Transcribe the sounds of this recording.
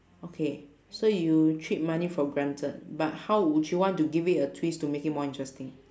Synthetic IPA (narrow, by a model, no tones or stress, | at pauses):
okʰe | sojutʰɹit̚manifɔɡɹãntʰət̚bat̚hawwudjuwɔ̃ntuɡivitətʰwistumekit̚mɔĩntɹɛstĩŋ